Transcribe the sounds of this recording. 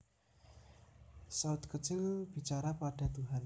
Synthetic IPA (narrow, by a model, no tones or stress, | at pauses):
saʊt̪̚kət͡ʃʊlb̥i̤t͡ʃaɾapaɖ̥a̤t̪uɦan